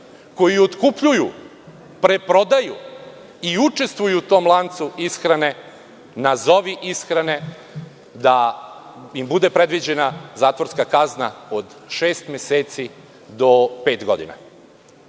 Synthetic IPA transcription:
ko̞jiot̪kupʎuju | pɾe̞pɾo̞d̪aju | iut͡ʃe̞st̪ʋujut̪o̞ːmlˠant̪suisxɾane̞ | nazo̞ʋiʔisxɾane̞ | d̪a | imbud̪e̞pɾe̞d̪ʋid͡ʑe̞nazaːt̪ʋo̞ɾskakaznaod̪ | ʃe̞ːst̪mʲjeseːt̪si | d̪o̞peːt̪ɡo̞̰d̪ḭna̰

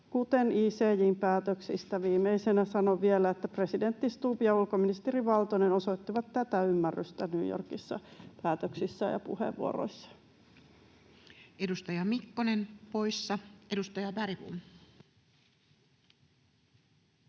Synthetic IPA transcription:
kut̪e̞niːseːjiːmpæːt̪øksist̪æʋiːmeisenæsɑnoʋie̞læet̪ːæpre̞side̞nt̪ːist̪uːpijɑulkominist̪eɾiʋɑlt̪oneno̞so̞it̪ːiʋɑt̪t̪æt̪æymːærːyst̪ænyːjo̰rkisːɑ̰pæːt̪øksisːæjɑ̰pṵhḛʋːṵo̰ɾo̰isːɑ̥ | edust̪ɑjɑmikːonenpo̞isːɑedust̪ɑjɑbæɾipṵm

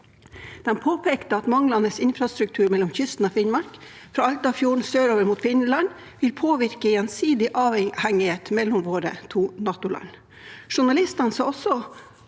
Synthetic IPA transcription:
d̪̥ɛnpʰoːpʰekt̪əɑt̪mɑŋlɑnəsɪnfɾɑst̪ɾʉk̚t̪ʰʉːɾmɛlːɔmçʏst̪n̩oːfɪnmɑɾk | fɾɑɑlt̪ɑːʋfjuːɳ̩søːɾoːʋəɾmuːt̪fɪnlɑn | ʋɪlpʰoːʋɪɾkəjɛnsiːd̪ɪʔɑːʋhæŋːɪheːt̪mɛlːʊmʋoːɾə̰t̪ʰuːnɑːt̪ʊlɑ̰n | ʂʊɳɑlɪst̪ɑnsɑːɔsɔ

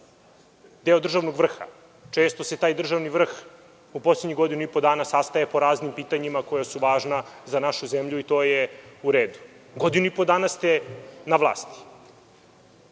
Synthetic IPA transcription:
d̪eod̪r̩ʒaʋno̞ɡʋr̩xa̰ | t͡ʃe̞ːst̪o̞se̞t̪aːjd̪r̩ʒaʋniʋr̩x | upo̞sleɲiɡo̞d̪inuipo̞d̪aːnasast̪ajepo̞ɾaːznimpiːt̪aɲimako̞jasuʋaːʒnazanaʃuzemʎuit̪o̞ːjeuɾeːd̪u̥ɡo̞d̪inuipo̞d̪aːnast̪enaʋlˠa̰ːst̪i̥

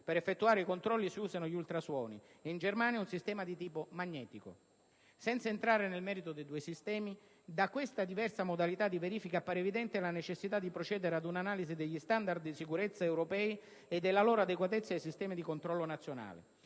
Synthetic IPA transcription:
peɾefːet̪ːuaːɾeikont̪ɾɔlːisiuːzanʊʎult̪ɾaswɔːnḭind͡ʒermaːnjaunsist̪ɛːmad̪it̪iːpomaɲːɛːt̪iko̰ | sɛnt̪saent̪ɾaːɾenelmɛːɾit̪od̪ejd̪uːesist̪ɛːmi | d̪akwest̪ad̪ivɛrsamod̪alit̪ad̪iveɾiːfikapːaːɾevid̪ɛnt̪ɪlanet͡ʃesːit̪ad̪ːipɾot͡ʃɛːd̪eɾead̪unanaːlizid̪eʎːist̪and̪ard̪ːisikuɾet̪sːaewɾopɛːi | ed̪ːelːalɔːɾoad̪ekwat̪et̪sːaejsist̪ɛːmid̪ikont̪ɾɔlːonat̪sːjona̰ːlḛ

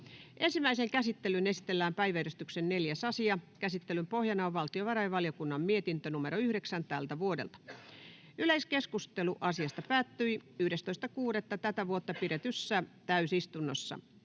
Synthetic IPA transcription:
ʔensimːˑæiseŋkæsit̪ːelynesi̥t̪elːæːmpæjʋæerist̪yksenneljæsɑsiɑkæsit̪ːelympohjɑnɑːʋʋɑlt̪ioʋɑɾɑjʋɑljokunːɑmmiet̪int̪ønumeɾoyhɾeksænt̪ælt̪æʋuodḛlt̪ɑ̥ | yleiskeskust̪eluʔɑsiɑst̪ɑpæːt̪ːyiyhɾest̪oist̪ɑkuːdet̪ːɑt̪æt̪æʋuot̪ːɑpiɾet̪ysːæt̪æysist̪unːosːɑ̰

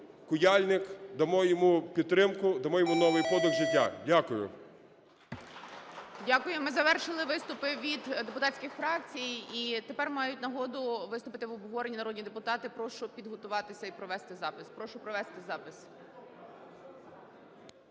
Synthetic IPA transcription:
kʊjalʲnɪkd̪ɐmɔjɔmupʲit̪t̪ːɾɪmkʊd̪ɐmɔjɔmunɔʋɪjpɔd̪ʊɣʒɪtʲːadʲakʊjʊ̰ | dʲakʊjʊmɪzɐʋɛrʃɪlˠɪʋɪst̪ʊpɪʋʲid̪d̪e̞pʊt̪ɑt͡sʲkʲɪxfɾɑkt͡sʲijit̪epɛrmɑjʊtʲnɐɦɔd̪ʊʋɪst̪ʊpɪt̪ɪʋɔbɦɔɾenʲinɐɾɔdʲnʲid̪epʊt̪ɑt̪ɪpɾɔʃʊpʲid̪ɦɔt̪ʊʋɑt̪ɪsʲɐipɾɔʋɛst̪ɪzɑpɪspɾɔʃʊpɾɔʋɛst̪ɪzɑpɪs

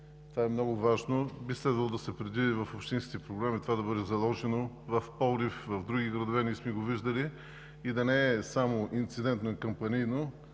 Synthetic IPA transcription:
t̪ovaɛmnɔɡʊvaʒnobislɛd̪vɐlˠod̪ɐsɛpɾɛd̪vid̪ivɐfopʃt̪ĩnskʲit̪ɛpɾoɡɾamit̪ovad̪ɐbɤd̪ɛzɐlˠɔʒɛnovɐfpɔlˠɾifvɐvd̪ɾuɡiɡɾɐd̪ovɛnismɛiɡoviʒd̪ɐli | id̪ɐnɛɛsamoʔint̪sid̪ɛnt̪noɛkəmpɐnijno

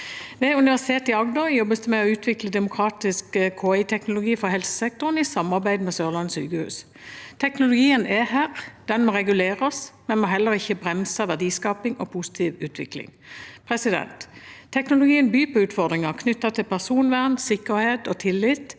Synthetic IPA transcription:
ʋɛʉnɪʋæʁsɪ̥t̪ʰeːt̪ɪɑɡd̪ɔjɔbːəsd̪ɛmɛɔʉːt̪ʰʋɪkləd̪ɛmʊkʰʁɑːt̪ɪskəkʰoːæɪt̪ʰɛknʊlʊɡiːfɔhɛlsə̥sɛk̚t̪ʊʁnɪsɑmɑʁbæɪd̪mɛsøːʁlɑnsy̰ːɡəhʉ̰ːs | t̪ʰɛknʊlʊɡiːənʔɛhæːʁd̪̥ɛnmɔːʁɛɡʉleːʁɑsmɛnmɔɦɛlːəʁɪçːəbʁɛmsəʋæʁd̪iːskɑːpɪŋɔ̰pʰʊsɪ̥t̪ʰiːʋʉːt̪ʰʋɪ̰klɪ̰ŋpʰʁɛsɪd̪ɛ̰nt̪ʰːɛknʊlʊɡiːənbyːpʰɔʉːt̪fɔʁd̪ʁɪŋɑkʰnʏt̪ːɑt̪ʰɪlpʰæʁsuːnʋæʁnsɪkːəɾheːt̪ɔt̪ʰɪlːɪt̪

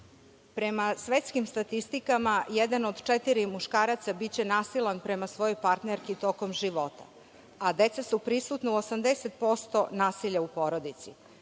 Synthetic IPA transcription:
pɾe̞masʋet̪skimst̪at̪ist̪ikamajed̪anod̪t͡ʃet̪iɾimuʃkaːɾat̪sabitt͡ɕe̞naːsilˠanpɾe̞masʋo̞jo̞jpaɾt̪neɾkit̪o̞ko̞mʒiʋo̞t̪ḁ̰ | ad̪et̪sasupɾisut̪nauosamd̪eset̪̚po̞st̪o̞naːsiʎaupo̞ɾo̞d̪it̪si

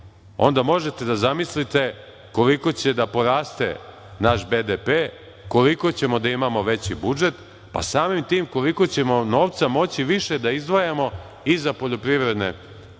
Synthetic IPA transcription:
o̞̰nd̪amo̞ʒe̞t̪e̞d̪azamislit̪e̞ | ko̞liko̞t͡ɕe̞d̪apo̞ɾaːst̪e̞̰ | naʃbed̪epeː | ko̞liko̞t͡ɕe̞mo̞d̪aimamo̞ʋe̞t͡ɕibud͡ʒe̞t̪ | pa̰saːmimt̪iːmko̞liko̞t͡ɕe̞mo̞no̞ːʋt̪samo̞t͡ɕiʋiʃe̞d̪aizd̪ʋojamo̞ | izapoʎo̞pɾiʋɾe̞d̪nḛ

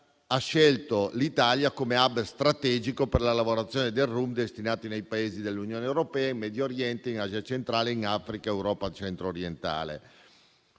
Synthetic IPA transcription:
aʃːɛlt̪olit̪aljakomeabst̪ɾat̪ɛːd͡ʒikoperlalavoɾat̪sːjoːned̪elrumd̪est̪inaːt̪inejpaeːzid̪elːunjoːneːwɾopɛːaimmɛd̪jooɾjɛnt̪einaːziat͡ʃent̪ɾaːleinafɾikaewɾɔːpat͡ʃɛnt̪ɾoːɾjent̪a̰ːlḛ

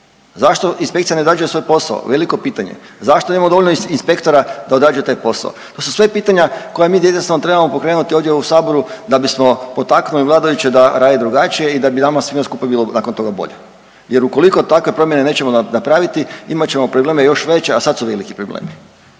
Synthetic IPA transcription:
zaʃt̪o̞inspekt̪sianed̪ɾaːd͡ʒujesʋo̞jpo̞sa̰o̰ʋe̞liko̞piːt̪aɲḛ | zaʃt̪onemamod̪oolʲnoinspe̞kt̪oɾad̪ao̞d̪ɾaːd͡ʒujet̪aːjpo̞sa̰o̰t̪o̞susʋe̞piːt̪aɲako̞jamiːd̪jeesanot̪ɾebamopo̞kɾenut̪ioʋd̪jeusaːbo̞ɾud̪abismo̞po̞t̪aknuliʋlˠaːd̪ajut͡ɕed̪aɾaːd̪ed̪ɾuɡat͡ɕije̞id̪abinamasʋimaskuːpabiːlˠonaːko̞nt̪o̞ɡabo̞̰ʎe | je̞ɾuko̞liko̞t̪akʋe̞pɾo̞mje̞ne̞ne̞ːt͡ɕe̞monapɾaʋit̪iimat͡ɕe̞mo̞pɾobleːmejo̞ʃʋe̞t͡ɕeasadt̪suʋe̞likipɾoblḛːmi

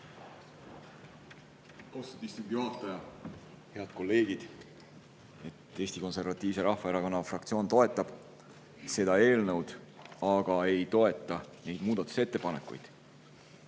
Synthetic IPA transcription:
kosud̪ist̪uŋɡjoɦɑt̪ːˑɑjɑ | he̞ɑd̪̥̚ko̞lːe̞ːɡ̥id̪̥ | e̞t̪ːe̞ːsʲt̪iko̞nse̞rvɑt̪ˑːiːvse̞ɾɑhfɑeɾɑko̞nːɑfrɑkt̪sio̞ːnt̪o̞e̞t̪ːˑɑb̥ | se̞d̪̥ɑe̞ːlnəwd̪̥ɑɡ̥ɑe̞jt̪o̞e̞t̪ːˑɑne̞jd̪muːd̪̥ɑt̪ːˑu̥se̞t̪ːe̞pɑne̞kːṵjd̪̥

